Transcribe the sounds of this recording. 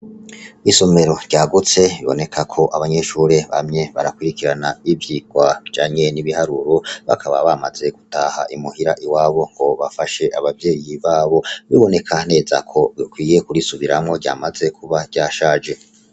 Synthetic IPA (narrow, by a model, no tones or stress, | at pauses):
iso̞meɾo̞̥ɟaːɡut͡se̞βiβo̞̰ne̞kʰakʰo̞ʔaβaɲe̞ʃuːɾeβa̰mɲe̞βaɾakwiɾikiɾanaivjiɡ̥waid͡ʒaːɲe̞niβihaɾuɾo̞βa̰kʰaβaβamaze̞ɡ̥utaha̰ʔimuhiɾaʔiwaːβo̞ŋɡ̥o̞βafaʃe̞ʔaβavje̞ːjiβaːβo̞βiβo̞ne̞kʰane̞ːza̰kʰo̞βikwiːje̞kuɾisuβiɾamŋo̞ɟa̰ːmaze̞kʰuβḁɟaːʃaːd͡ʒe̞